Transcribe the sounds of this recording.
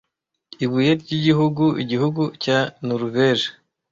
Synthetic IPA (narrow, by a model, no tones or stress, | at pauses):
iβujeɾɟiɟiɦuɡuʔḭɟihuɡucanuɾuveʒe